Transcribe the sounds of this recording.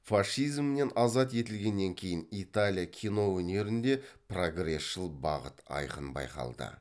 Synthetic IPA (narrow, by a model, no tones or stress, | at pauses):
faʂijzmne̞nʔɑzɑt̪je̞t̪ɪlɡʲe̞nːe̞ŋkʲʰe̞jɪnit̪alʲijakʲʰijno̞wɵne̞ɾɪnd̪e̞pro̞ɡre̞sʃəlˠbɑ̰ʁət̪ɑ̰jqənbɑ̰jqɑ̰lˠd̪ə̰